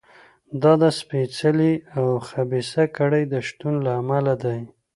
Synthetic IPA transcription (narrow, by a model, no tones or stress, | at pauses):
d̪ɑd̪əspet͡səliawxabisakaɽəjd̪əʃt̪unlaːmalad̪aj